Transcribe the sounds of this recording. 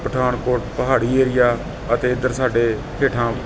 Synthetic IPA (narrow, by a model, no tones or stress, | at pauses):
pɾəʈʰaːnkoːɾʈpəɦaːɽiːeːɾɪjaː | ət̪eːɪd̪əɾsaːɖeːkʰeːʈʰãː